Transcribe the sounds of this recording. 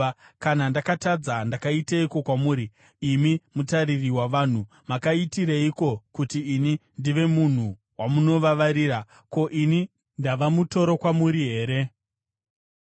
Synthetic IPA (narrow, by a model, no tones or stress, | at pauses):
kanandakatad͡zandakaitaiko̞kwamuːɾi | imimutaririwaʋaːn̤u | makaitiɾaiko̞kutiːnindiʋe̞mun̤u | wamuno̞ʋaʋaɾiːɾa | ko̞ʔini | ndaʋamuto̞ɾo̞kwamuɾiɦe̞ːɾe̞